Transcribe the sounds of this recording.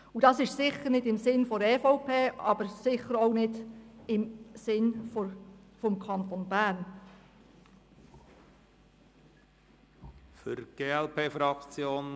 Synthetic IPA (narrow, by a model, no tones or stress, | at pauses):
udɑsɪʃsɪχəɾnɪdɪmsɪnfɔɾɛːfoʊpʰeːɑbəɾsɪχəɾoʊnɪdɪmsɪnffɔmkʰɑnt̪onbæːɾn | fʏɾɡ̥eːɛlpʰeːfɾɑkt͡sjoːn